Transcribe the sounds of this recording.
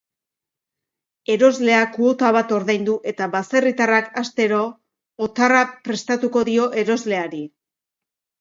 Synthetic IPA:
e̞ɾo̞zle̞akuo̞t̪aβ̞at̪o̞ɾðajnd̪uʔe̞t̪aβase̞rit̪arakast̪e̞ɾoː | t̪arapɾe̞st̪at̪uko̞ðio̞ʔe̞ɾo̞zle̞aɾi

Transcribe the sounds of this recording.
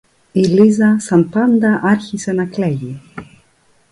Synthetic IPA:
ilizasanpand̪aʔaɾxisɛnaklɛji

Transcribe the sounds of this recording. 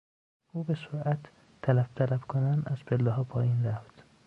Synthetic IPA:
ʔuːbesoɾʔæt̪ʰː | ælæft̪ʰælæbkʰonænd̪æz̥pʰelːɒɦɒːpʰɒːjiːnɾæft̪

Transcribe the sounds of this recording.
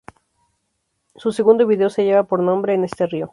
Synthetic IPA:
suseɣund̪o̞βiðe̞ose̞ʝe̞βapo̞ɾnõ̞mbɾe̞ːne̞st̪e̞rio̞

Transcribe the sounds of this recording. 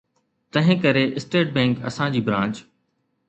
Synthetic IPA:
t̪ɐ̃ɦɪ̃kɐɾeʔɪsʈeːʈ̚bɛ̃ːŋkɐ̰sãd͡ʑiːbɾãːnt͡ɕ

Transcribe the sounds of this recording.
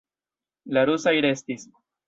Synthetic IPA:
laɾusajɾe̞stis

